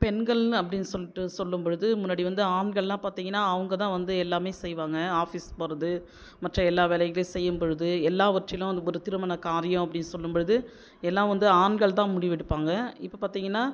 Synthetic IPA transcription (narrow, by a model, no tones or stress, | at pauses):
pɛnɡɐɭɐpːɐɽɪnːɯsɔlːɪʈːɯsɔlːɯmbɔɻɯðɯmʊnːaːɽiʋɐnd̪ɯaːɳɡɐɭlãːpaːɾt̪iːŋɡɐnːaːɐʋɐŋɡɐt̪ãːʋɐnd̪ɯɛlːaːmeːsɛjʋaːŋɡɐaːfispoːɾɐðɯ | mɐʈrɐɛlːaːʋeːlɐɣɐlesɛjːɯmbɔɻɯðɯɛlːaːʋɐʈrɪlʊ̃ɐnd̪ɔɾɯt̪ɪɾɯmɐnɐkaːɾɪjɐ̃ɐp̬ːɐɽɪnːɯsɔlːɯmbɔɻɯðɯ | ɛlːãːʋɐnd̪ɯaːɳɡɐɭt̪ãːmʊɽɪʋɪɽɯpːaːŋɡɐɪpːɐpaːɾt̪iːŋɡɐnːaː